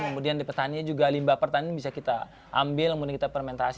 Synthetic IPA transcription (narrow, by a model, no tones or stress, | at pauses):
kəmudiandapərt̪aniɲad͡ʒuɡalimbapərt̪aniɲabisakit̪a | ʔa̰mbɪlkəmudiankit̪apəɾmɛnt̪as